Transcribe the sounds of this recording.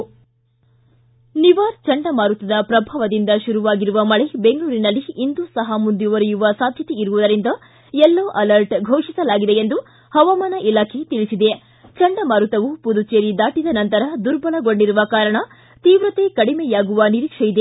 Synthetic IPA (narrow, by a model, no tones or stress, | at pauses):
niʋaːɾt͡ʃɐɳɖɐmaːɾut̪ɐd̪ɐpɾɐbʱaːʋɐd̪ind̪ɐʃuɾuʋaːɡiɾuʋɐmɐɭebeŋɡɐɭuːɾinɐlːiːnd̪usɐɦɐmund̪juʋɐɾijuʋɐsaːd̪ʱjɐt̪eiɾuʋud̪ɐɾind̪ɐ | ɛlːoːʔɐlɐɾʈɡʱoːʂisɐlaːɡid̪e̞end̪u | hɐʋamaːnɐʔilaːkʰe̞t̪iɭisid̪e̞ | t͡ʃɐɳɖɐmaːɾut̪ɐʋupud̪ut͡ʃeːɾid̪aːʈid̪ɐnɐnt̪ɐɾɐd̪uɾbɐɭɐɡo̞ɳɖiɾuʋɐkaːɾɐɳɐ | t̪iːʋɾɐt̪e̞kɐɽimejaːɡuʋɐniɾiːkʂɐjid̪e